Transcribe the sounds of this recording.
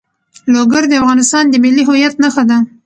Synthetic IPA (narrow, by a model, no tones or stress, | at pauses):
loɡaɾd̪əafɣɑnɪst̪ɑnd̪əmeliɦʊjat̪naxad̪a